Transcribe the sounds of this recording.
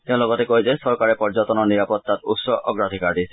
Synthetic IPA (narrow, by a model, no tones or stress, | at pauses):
teʊ̃lɔɡɔtɛkojzɛsɔɹkaɹɛpɔɹzɔtɔnɔɹniɹapɔtːatṵtsɔʔɔ̰ɡɹad̪ʱikaɹdisɛ